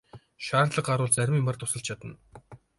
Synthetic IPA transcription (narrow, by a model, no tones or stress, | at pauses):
ʃaːrt̪ɮə̆qaɾʊːɮt͡sæɾʲmiːmpart̪ʊsə̆ɬt͡ɕʰat̪ə̆n